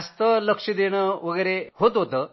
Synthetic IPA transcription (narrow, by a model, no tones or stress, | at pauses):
ɐst̪ɐlɐkʂid̪eːɳɐʋɐɡɐɾeɦot̪ot̪ɐ